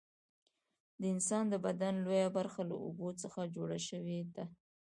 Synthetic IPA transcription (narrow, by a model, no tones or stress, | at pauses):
d̪əɪnsɑnd̪əbad̪anlojabaɾxala̰o̰bot͡səxad͡ʒoɽaʃəwed̪a